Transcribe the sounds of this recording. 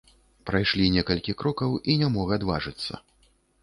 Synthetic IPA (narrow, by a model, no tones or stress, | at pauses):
pɾajʂlʲinʲɛkɐlʲkʲikɾɔkɐwinʲamɔɣɐad̪va̰ʐɨt̪sːɐ̰